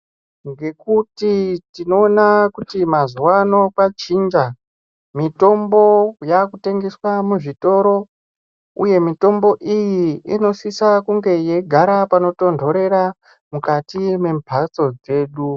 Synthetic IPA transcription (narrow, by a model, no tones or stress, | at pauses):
ŋɡe̞kutitino̞ːnakutimazuwano̞kwat͡ʃiːnd͡ʒa | mito̞mbo̞jakute̞ŋɡeswamuʐito̞ɾo̞ | ṵje̞mito̞mbo̞ʔijiino̞sisakuŋɡe̞je̞ɡʱaɾapano̞to̞ndʱo̞ɾe̞ɾa | mukatime̞mbʱat͡so̞d͡ze̞ːɗu